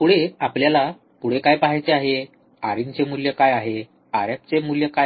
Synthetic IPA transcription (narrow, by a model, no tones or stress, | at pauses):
puɽeapljala | puɽekajpaɦajt͡seaɦe | aɾiɲt͡semuljəkajaɦe | a̰ɾjat͡semuljəka